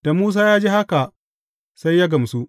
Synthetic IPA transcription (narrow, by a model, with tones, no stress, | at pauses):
d̥a˨muː˦s̬aː˦jaː˦d͡ʒi˦ha˦ka˨ | sa˦jːaː˦ɡɐ˨msu˦ʔ